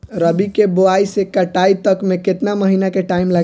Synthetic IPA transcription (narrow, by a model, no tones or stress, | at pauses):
ɾəbikeboaisekəʈait̪əkmẽkɪt̪naməɦinakeʈaːimla